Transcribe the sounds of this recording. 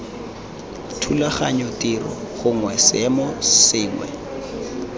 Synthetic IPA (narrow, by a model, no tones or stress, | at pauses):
tʰulaχaɲɔtʼirɔ̰ɣʊŋwɛsɛmɔsɪːŋwɛ̰